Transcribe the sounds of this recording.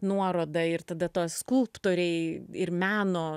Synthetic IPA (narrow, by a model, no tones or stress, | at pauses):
nuɔɾoːd̪ɐɪɾt̪ɐd̪ɐt̪oːskʊlˠpt̪oːɾʲɛɪɪɾmʲæːnoː